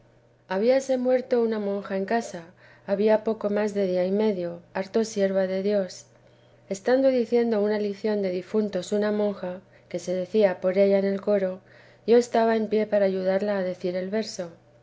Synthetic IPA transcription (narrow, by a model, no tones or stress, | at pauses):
aβ̞iase̞mwe̞ɾt̪o̞unamõ̞ŋxae̞ŋkasaː | βiapo̞ko̞mazðe̞ð̞iaime̞ðjo̞aɾt̪o̞sje̞ɾβaðe̞ðjo̞s | e̞st̪and̪o̞ðiθje̞nd̪o̞unaliθjo̞nd̪e̞ðifunt̪o̞sunamõ̞ŋxa | ke̞se̞ðe̞θiapo̞ɾe̞ʎaene̞lko̞ɾo̞ | ʝo̞est̪aβae̞mpje̞paɾaːʝuðaɾlaːðe̞θiɾe̞lβe̞ɾso̞